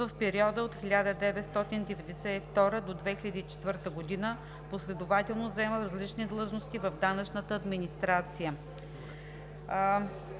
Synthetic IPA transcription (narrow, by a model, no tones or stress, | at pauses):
əfpɛɾiɔd̪əot̪xʲilʲad̪əd̪ɛvɛt̪st̪ɔt̪ind̪ɛvɛd̪ɛsɛift̪ɔɾəd̪od̪vɛxilʲəd̪iːt͡ʃɛ̥t̪vəɾt̪əɡod̪inə | poslɛd̪ovat̪ɛlˠnozɛməɾɐzlit͡ʃnid̪lˠɤʒnost̪ivəvd̪anət͡ʃnət̪əːd̪minist̪ɾat̪sijə